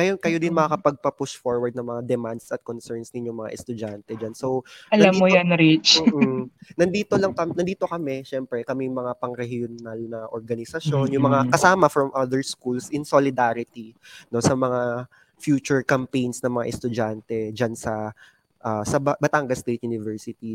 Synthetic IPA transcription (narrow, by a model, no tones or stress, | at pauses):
kɐjokɐjod̪ɪnmɐŋakɐpɐɡ̚pɐpʊʃfoɹwɐɾd̪̚nɐŋmɐŋad̪ɛmand̪sɐt̪̚konsɛɹnsnɪnɲjoŋmɐŋa̰ʔɛst̪ʊd͡ʒant̪ɛd͡ʒansowɐlnamːojanɾit͡ʃːnɐnd̪iːt̪olɐŋkɐnɐnd̪iːt̪o̞kɐmɛʃɛmpɾɛkɐmɛjmɐŋapɐŋɾɛhjʊnalnɐʔoɹɡɐnɪsɐʃjo̞njʊŋmɐŋakɐsaːmɐfɾɐmʔɐd̪ɛɹskulsʔɪnsolɪd̪aɾɪt̪ino̞sɐmɐŋa | fjuːt͡ʃʊɹkɐmpejnsnɐŋmɐŋa̰ʔɛst̪ʊd͡ʒant̪ɛd͡ʒansɐ | ʔasɐbbɐt̪aŋɡɐst̪et̪̚junɪvɛɹsɪt̪i